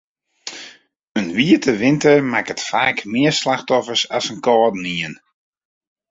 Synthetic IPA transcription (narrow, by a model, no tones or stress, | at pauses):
ənʋiətʰəʋɪntəɹmakətfaːkmɪəɹslaxtɔfəɹsasənkɔːdniən